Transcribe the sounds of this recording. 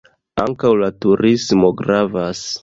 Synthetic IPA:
a̰ŋkawlatuɾʔismo̞ɡɾavas

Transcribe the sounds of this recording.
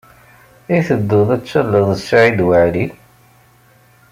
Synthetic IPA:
iθəd̪ːʊðˤæt͡sːəlːəðˤəsːaʕid̪wəʕli

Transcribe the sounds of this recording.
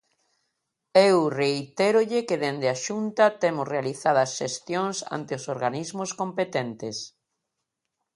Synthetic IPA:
ewreit̪eɾoʎɪkeðend̪ɪaʃunt̪ɐt̪emʊsrealiθað̞ɐsʃest̪joŋsa̰nt̪ɪosoɾɣanizmoskompet̪ent̪ɪs

